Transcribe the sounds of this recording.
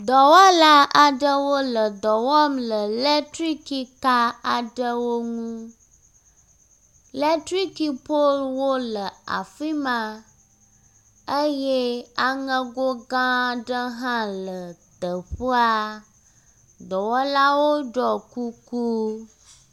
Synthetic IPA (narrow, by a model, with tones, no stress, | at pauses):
d̪ɔ˨wɔ˦la˦a˨ɖə˦wo˦lə˨d̪ɔ˨wɔ˦mlə˨le˦tɾi˦ki˦ka˦a˨ɖə˦wo˦ŋũ˦ | le˦tɾi˦ki˨po˦lwo˦lə˨a̰˨fi˦mã˨ | ə˦je˦a˨ŋə˦ɡo˦ɡã˦ɖə˦ɦã˦lə˨t̪ə˨ɸə˦a˦ | d̪ɔ˨wɔ˦la˦wo˦ɖɔ˨ku˦ku˦